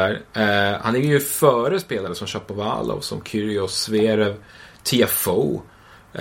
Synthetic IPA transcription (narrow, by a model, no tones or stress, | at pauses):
æɾha̰næɾjəjɵfœːɾəspeːlaɾəsɔmɕapːɔva̰ːlɔ̰vsɔ̰mkʰʏɾɪɔsveːɾɛvt̪ʰeɛfo